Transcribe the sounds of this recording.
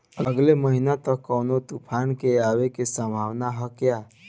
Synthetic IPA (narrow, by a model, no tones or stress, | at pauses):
əɡleməɦinat̪əkːəwnot̪upʰankeaʋekesə̃mbʱawnaɦəkja